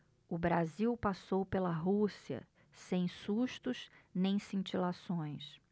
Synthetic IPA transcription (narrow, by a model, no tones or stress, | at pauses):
ʊbɾaziwpasowpelɐɦusiɐ̰ | sẽj̃suʃt̪ʊʃnẽj̃sĩt͡ʃilasõj̃s